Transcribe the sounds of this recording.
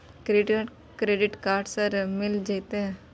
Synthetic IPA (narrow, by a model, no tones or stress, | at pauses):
kɾeːɖ | kɾeːɖɪʈkaːɾɖsəɾmɪld͡ʒet̪e